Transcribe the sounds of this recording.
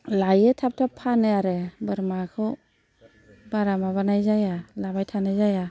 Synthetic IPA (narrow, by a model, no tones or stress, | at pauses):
lajɯtʰap̚tʰapʰːanɯaɾebɯɾmakʰɯw | baɾamaβanajzajalabajtʰanazaja